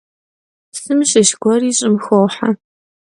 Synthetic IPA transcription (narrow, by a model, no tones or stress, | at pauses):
sɨmʃɪʃɡʷɔriːɕʼɪmxowħa̰